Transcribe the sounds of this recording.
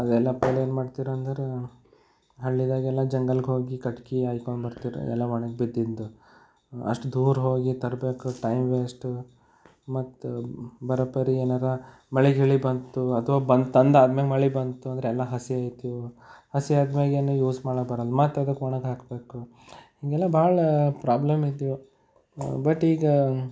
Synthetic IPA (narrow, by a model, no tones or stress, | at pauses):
ɐd̪ɛlːɐpeːleːnmaːɖt̪iːɾoɐnd̪ɐɾe | ɦɐɭːid̪aːɡɛlːɐd͡ʒɐŋɡɐlɡɦoːɡikɐʈkiaːjkoɳɖbɐɾt̪iːɾṵɛ̰lːɐʋɐɳɐɡ̚bid̪ːid̪d̪u | ɐ̰ʂʈud̪uːɾɦo̞ːɡit̪ɐɾbe̞ːkuʈɐjmʋeːsʈu | mɐt̪ːbɐɾɐpɐɾieːnaːɾɐ | mɐɭiɡɦeɭibɐnt̪uɐt̪ʰʋaːbɐnd̪t̪ɐnd̪aːd̪meɡmɐɭibɐnt̪uɐnd̪ɐɾeɛlːɐɦɐsiaːjt̪ijuhɐsiaːd̪meːɡeːnujuːsmaːɽɐkbɐɾɐlumaːt̪ːɾɐd̪ɐkoːɳɐɡɦaːkbe̞ːku | hiːɡɛlːɐbaːɭɐpɾaːblɐmid̪ju | bɐʈiːɡɐ